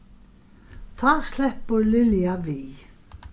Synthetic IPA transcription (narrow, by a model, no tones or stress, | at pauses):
θaðslɛhpːəɾlɪljavi